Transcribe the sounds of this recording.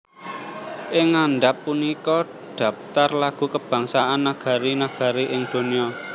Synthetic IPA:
ʔɪŋːanɖapːunikɔ | ɖ̪̥ä̤p̚t̪arlaɡ̥ṳkəb̥ä̤ŋsaʔanːaɡ̥a̤ɾinaɡ̥a̤ɾiʔɪŋd̪̥o̤niɔ

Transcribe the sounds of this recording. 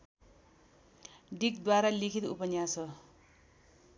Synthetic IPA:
ɖik̚d̪waɾalikʰit̪upʌnjasʌ

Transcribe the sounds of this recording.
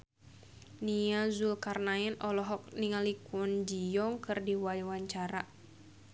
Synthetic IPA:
niazulkarnaɛnʔɔlɔɦɔk̚niŋalikund͡ʒijɔŋkɨrdiwajuwaɲt͡ʃaɾa

